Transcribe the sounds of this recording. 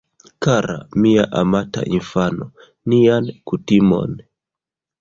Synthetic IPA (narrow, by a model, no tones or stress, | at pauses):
kaɾa̰miaʔamata̰ʔinfano | niankutimo̞̰n